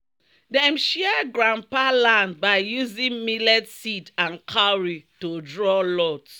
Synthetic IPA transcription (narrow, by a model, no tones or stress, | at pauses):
dɛmʃiɛɡɹãmpalãnd̚baɪjuzĩŋmilɛdsitãnkʰaɹitodɹɔlɔt